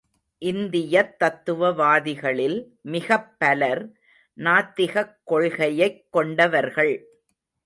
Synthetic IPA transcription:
ʔɪnd̪ɪjɐt̪ːɐt̪ːɯʋɐʋaːðɪɣɐɭɪl | mɪɣɐpːɐlɐɾ | naːt̪ːɪɣɐkːɔɭɣɐjɐɪkːɔɳɖɐʋɐɾɣɐɭ

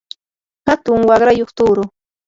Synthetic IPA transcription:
hat̪ʊŋwɑɢɾajoχt̪ʊːɾʊ

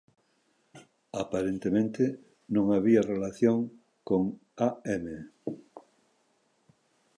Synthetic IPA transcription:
apaɾent̪emẽnt̪e | nõŋaβiarelaθjoŋ | koŋaɛme

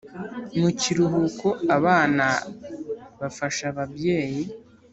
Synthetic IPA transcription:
muciɾuɦuko̞aβaːna | βafaʃaβabje̞ːji

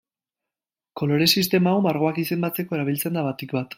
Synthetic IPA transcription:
ko̞lo̞ɾe̞sist̪e̞mawmaɾɣo̞akise̞mbat͡se̞ko̞e̞ɾaβ̞ilt͡se̞nd̪aβat̪ikbat̪

